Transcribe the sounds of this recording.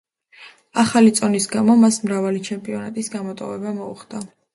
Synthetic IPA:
aχalit̪sʼɔnisɡamɔmasmɾavalit͡ʃʰɛmpʼiɔnat̪ʼisɡamɔt̪ʼɔ̰vɛbamɔuχd̪̥a

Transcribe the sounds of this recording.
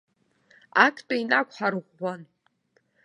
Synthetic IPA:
akʼʰtʼainakʷʰʼħaɾʁʷːan

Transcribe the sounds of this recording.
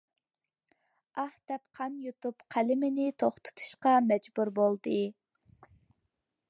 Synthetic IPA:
ɑht̪ɛpqʰɑnjut̪upqʰælɪmɪnɪt̪ʰoχt̪ʰʊ̥t̪ʰu̥ʃqɑmɛd͡ʒbuɾbolˠd̪ɨ

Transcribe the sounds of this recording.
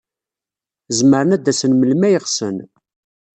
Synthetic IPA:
zməɾənæd̪ːæsənməlmæjəʁsən

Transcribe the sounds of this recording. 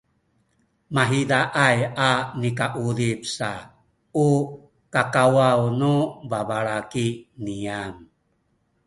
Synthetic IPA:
maɦidaʔajanikaʔuɾipsa̰ | u | kakawawnubabaɭakiniam

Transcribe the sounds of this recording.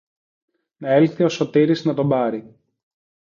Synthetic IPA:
nɐe̞lθio̞so̞t̪iɾiznɐt̪o̞bɐɾi

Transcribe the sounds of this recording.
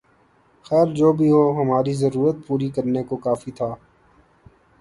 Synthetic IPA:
xɛːɾd͡ʒoːbʱiɦoːɦəmaːɾizəɾuːɾət̪̚puːɾikəɾnekokaːfit̪ʰaː

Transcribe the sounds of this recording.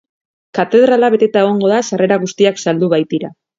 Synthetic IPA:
kat̪e̞ð̞ɾalaβe̞t̪e̞t̪aeɣo̞ŋɡo̞ðasare̞ɾaɣ̞ust̪iaksald̪uβajt̪iɾa

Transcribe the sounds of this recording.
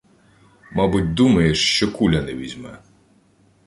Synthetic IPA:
mɑbʊt̚ʲd̪umɐjeʃt͡ʃɔkulʲɐnɛʋʲizʲmɛ

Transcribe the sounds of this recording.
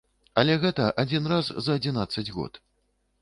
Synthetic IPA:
ɐlʲɛɣɛt̪ɐʔad͡zʲinrazzɐːd͡zʲinat̪sːɐd͡zʲɣɔ̰t̪

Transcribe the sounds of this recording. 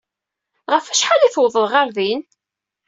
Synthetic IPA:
ʁəfæʃħaliθwəðˤəðʁaɾðin

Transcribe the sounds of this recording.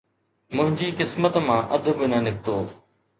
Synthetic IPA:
mʊ̃ɦɪ̃ɲd͡ʑiːkɪsmət̪mãːʔɐd̪ʱbɪnɐnɪk̚ʰt̪oː

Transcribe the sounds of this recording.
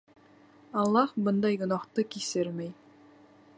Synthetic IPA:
ɑlˠːɑhbɤnd̪ɑjɡŏnɑqt̪ɤkisɘɾmæj

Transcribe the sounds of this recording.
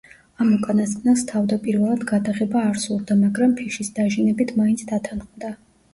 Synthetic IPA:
amukʼanast̪nast̪ʰavd̪apʼiɾvɛlˠad̪ɡad̪aʁɛbaːɾsuɾd̪amaɡɾampʰiʃisd̪aʒinɛbit̪ʰmaintsʰd̪at̪ʰanχmd̪a

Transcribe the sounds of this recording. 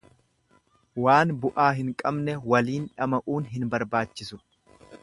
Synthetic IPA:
waːnbʊʔaːɦɪŋkʼɐbnɛwɐliːnᶑɐmɐʔuːnɦɪnbɐɾbaːt͡ʃːɪsʊ

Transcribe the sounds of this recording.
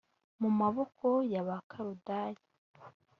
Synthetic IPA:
mumaβokʰojaβakʰaɾudaːji̥

